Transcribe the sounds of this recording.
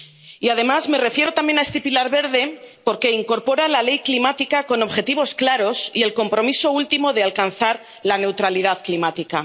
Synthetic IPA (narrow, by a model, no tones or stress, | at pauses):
iað̞e̞mazme̞re̞fje̞ɾo̞t̪ambje̞naest̪ipilaɾβe̞ɾðe̞po̞ɾke̞iŋko̞ɾpo̞ɾalale̞jklimat̪ikako̞no̞βxe̞t̪iβ̞o̞sklaɾo̞sie̞lko̞mpɾo̞miso̞ult̪imo̞ðe̞alkanθaɾ | lane̞wt̪ɾalið̞aðklimat̪ika